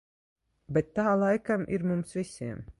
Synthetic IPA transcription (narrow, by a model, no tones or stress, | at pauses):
bɛt̪ːaːlˠajkamʔḭɾmumsvisʲiɛm